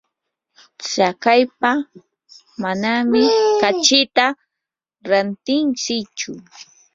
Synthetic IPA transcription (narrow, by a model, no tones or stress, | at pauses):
t͡sakajpa | manamɪkat͡ʃɪt̪a | ɾant̪ɪnt͡ʃɪt͡ʃʊ